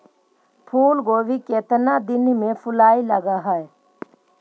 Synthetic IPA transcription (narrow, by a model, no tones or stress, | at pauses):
pʰuːlɡoːʋikeːt̪nad̪ɪnmẽfʰʊlaːiləɡaɦɛe